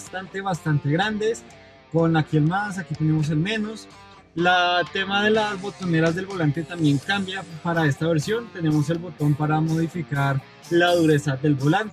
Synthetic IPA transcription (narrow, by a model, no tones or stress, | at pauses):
st̪ant̪e̞βast̪ant̪e̞ɣɾand̪es | ko̞nlakielmas̬akit̪e̞nemo̞s̬e̞lme̞nos | lat̪e̞maðe̞lazbo̞t̪o̞ne̞ɾazd̪e̞lbo̞lant̪e̞t̪ambje̞ŋkambjapaɾae̞st̪aβe̞ɾsjo̞nt̪e̞ne̞mo̞se̞lbo̞t̪o̞mpaɾamo̞ð̞ifikaɾ | laðuɾe̞sad̪e̞lbo̞lant̪e